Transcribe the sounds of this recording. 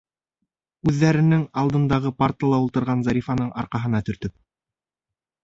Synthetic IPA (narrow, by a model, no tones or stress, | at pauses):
ʉðːæɾɘ̆nɘŋɑlˠd̪ɤ̆nd̪ɑʁɤpɑɾt̪əlˠɑulˠt̪ɤ̆ɾʁɑnzɑɾʲifɑnɤɴɑ̰ɾqɑɦɤ̆nɑt̪ɵ̆ɾt̪ɵp̚